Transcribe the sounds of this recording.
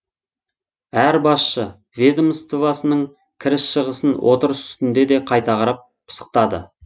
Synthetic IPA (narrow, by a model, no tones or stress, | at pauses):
æɾbɑsʃə | vʲed̪omst̪ovɑsənəɴ | kʲʰɪɾɪsʃəʁəsənwʔo̞̰t̪əɾəsʏ̥st̪ɪnd̪e̞d̪e̞qʰɑjt̪ɑʁɑɾɑp̚ | pʰə̥sə̥q̚t̪ɑd̪ə̰